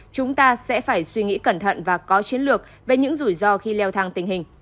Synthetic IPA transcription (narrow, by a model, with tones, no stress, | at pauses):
t͡ɕʊ˨˦ŋ͡mt̪aː˧sɛ̰˧˥faː˧˩jswi˧ŋḭ˧˥kə˧˩nt̪ʰə̰˧˨nvaː˨˩kɔ˨˦t͡ɕi˨˦ənlɨ˨˩ək̚ | ve˨˩ɲɨ̰˧˥ŋzu˧˩jzɔ˧xi˧lɛ˧wt̪ʰaː˧ŋt̪ï˨˩ŋ̟hï˨˩ŋ̟